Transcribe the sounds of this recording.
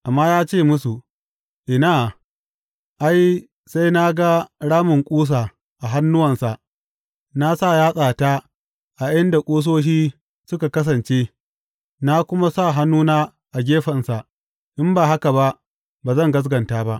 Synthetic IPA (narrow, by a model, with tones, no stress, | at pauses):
ʔa˨mːaː˦jaː˦t͡ʃeː˦˨mʊ˦su˨ | ʔɪ˨naː˦˨ | ʔa˦j | sa˦jna˦ɡa˦ɽaː˦mʊ˨ŋkʷʼuː˦s̬aː˨ | ʔa˨ɦa˦nːʊ˦wɐ˨nsa˨ʔ | na˦sa˦˨jaː˦sʼaː˨ta˦ | ʔa˨ʔɪ˦nda˨kʷʼoː˦s̬oː˦ʃ̬iː˦ | sʊ˦ka˨kɐ˦s̬ɐ˨nt͡ʃe˦ | na˦kʷʊ˦ma˦sa˦˨ɦa˦nːuː˦naː˦ | ʔa˨ɡʲeː˦ɸɐ˨nsa˨ | ʔɪ˦mbaː˨ɦa˦ka˨ba˦ʔ | baː˨zɐ˦˨ŋɡɐ˦s̬ɡɐ˨ntaː˦ba˦ʔ